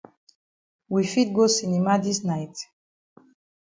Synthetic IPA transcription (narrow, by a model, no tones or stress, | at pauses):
wifit̚ɡosinimadisnajt